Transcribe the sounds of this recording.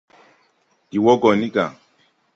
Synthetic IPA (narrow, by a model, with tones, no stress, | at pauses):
i˨wɔ˦ɡɔ˨ni˦ɡa̰˨